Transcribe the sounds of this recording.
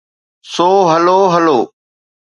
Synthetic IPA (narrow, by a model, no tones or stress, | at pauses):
soːɦəloːɦəloː